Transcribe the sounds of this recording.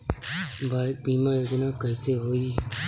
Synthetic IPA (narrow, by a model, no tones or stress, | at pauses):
bʱaːbiːmãːeːɡnãːkəiseːɦoːiː